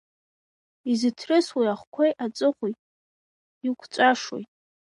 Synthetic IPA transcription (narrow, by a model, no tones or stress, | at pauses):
izɨtʰrɨswijaχʷkʷʰejʔat͡sʼɨχʷujtʼ | ikʷʰt͡ʃʷʼaʂo̰jtʼ